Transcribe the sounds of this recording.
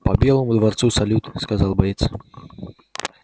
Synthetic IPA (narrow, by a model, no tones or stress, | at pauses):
pɐbʲɛlˠɐmud̪vart̪susɐlʲut̪skazalˠbɐjʲɛt̪s